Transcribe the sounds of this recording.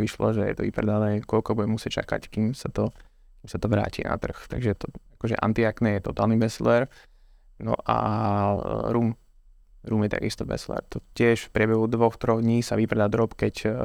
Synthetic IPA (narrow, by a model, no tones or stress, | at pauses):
ʋiʃlɔ̰ʒɛjɛ̰t̪ɔʋḭpɾɛ̰d̪anɛːkɔʎkɔbuɟɛmusɪɛt͡ʃa̰ka̰ckiːmsat̪ɔ | kimsat̪ɔʋɾa̰ːcḭːna̰t̪r̩xt̪aɡʒɛt̪ɔakɔʒɛʔa̰nt̪iaknɛjɛt̪ɔt̪aːlnibɛslɛɾ | nɔ̰ʔa̰ | ɾuːm | ɾuːmjɛt̪a̰ɡḭst̪ɔbɛ̰slɛ̰ɾt̪ɔcɪɛʃfpɾɪɛbɛɦud̪ʋɔxt̪ɾɔɣd̪ɲiːsaʋipɾɛd̪ad̪ɾɔpkɛc